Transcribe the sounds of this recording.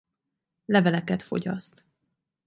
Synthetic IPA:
lɛvɛlɛkɛt̪fo̞̰ɟɒ̰st̪

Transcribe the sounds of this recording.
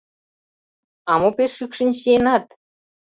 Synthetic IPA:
ɑmopeʃːykʃə̆nʲɕenɑt̪

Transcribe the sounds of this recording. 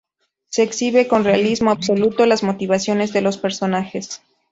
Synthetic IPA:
se̞ːksiβe̞ko̞nrealizmo̞abso̞lut̪o̞lazmo̞t̪iβ̞asjo̞ne̞zðe̞lo̞spe̞ɾso̞naxe̞s

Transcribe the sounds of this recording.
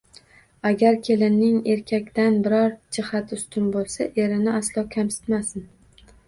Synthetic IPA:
aɡʲaɾkʲʰe̞lɪnnːɪŋe̞ɾkʲʰakʲt̪anbɪɾɒɾd͡ʒɪhat̪ʊst̪ʰʊnbolˠsaʔe̞ɾɪnɪaslˠɒkʲʰamsɪ̥t̪masɪn

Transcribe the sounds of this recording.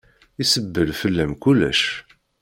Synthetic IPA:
isəbːəlfəlːæmkulːæ̰ʃ

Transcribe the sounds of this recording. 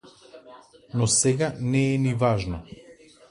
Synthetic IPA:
nɔsɛɡanɛːnivaʒnɔ

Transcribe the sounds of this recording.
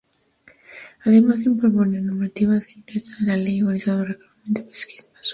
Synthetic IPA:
aðemazðimpoɾponenoɾmat̪iβazðent̪ɾɛt͡saðelalejoɣaliz̥aðolrekleamend̪epe̥ski̥zmas

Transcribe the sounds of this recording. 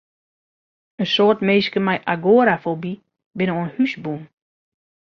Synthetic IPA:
ənsoːtmeːskəmɛjʔaɡoəɾafobi | bɪnəoənhysbun

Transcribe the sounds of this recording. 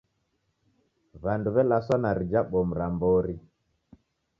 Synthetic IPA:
βanduβɛlasanaɾid͡ʒaɓɔm̩ɾambɔɾi

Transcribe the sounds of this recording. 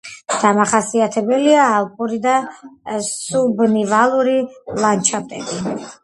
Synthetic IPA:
d̪̥amaχasiat̪ʰɛbɛliaːlˠkʼuɾid̪a | subnivalˠuɾilˠant͡ʃʰapt̪ʼɛb̪i

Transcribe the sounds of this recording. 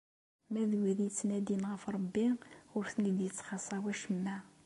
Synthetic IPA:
mæðwiðjt͡sːnæd̪inʁəfɾˤɑbːiʊɾθnid̪jət͡sːχɑsˤɑwæʃəmːæ

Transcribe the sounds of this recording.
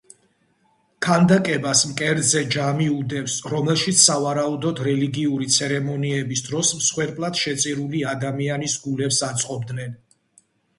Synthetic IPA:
kʰand̪akʼɛbasmkʼɛɾd̪zɛd͡ʒamiud̪ɛpsɾɔmɛlˠʃit̪ssːavaɾaud̪ɔd̪ɾɛliɡiuɾit̪sʰɛɾɛmɔniɛbisd̪ɾɔsmsχwɛɾpʼlˠad̪̥ʃɛt̪sʼiɾuliad̪amianisɡulɛpsat̪sʼqʼɔb̚d̪nɛn

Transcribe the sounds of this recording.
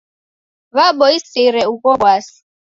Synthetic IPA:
βabɔisɪɾɛukɔwwasi̥

